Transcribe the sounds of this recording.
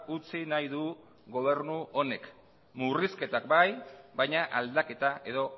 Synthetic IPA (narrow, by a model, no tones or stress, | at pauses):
ut͡sinajðu | ɣo̞βe̞ɾnuo̞ne̞k | muriske̞t̪akbajbajɲaʔald̪ake̞t̪aʔe̞ðo̞